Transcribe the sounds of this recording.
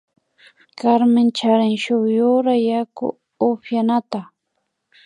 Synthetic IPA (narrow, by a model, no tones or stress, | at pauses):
kaɾmɪnt͡ʃaɾɪŋʃʊjʊɾajakʊ̰ | oɸjanat̪a